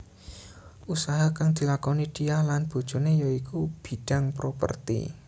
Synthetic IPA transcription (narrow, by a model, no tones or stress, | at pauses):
ʔusaɦakaŋd̪̥i̤lakɔnid̥i̤ahlanb̥o̤d̥ʒ̥ṳnejoikub̥i̤ɖ̥a̤ŋpɾopə̰rt̪ḭ